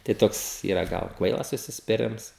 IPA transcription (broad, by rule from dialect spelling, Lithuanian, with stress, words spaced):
tɐɪ ˈtoːks ˈiːrɐ ˈɡɐlˠ ˈkʋɐɪlˠɐs ʊʃʲsʲɪsʲpʲɪˈrʲɪms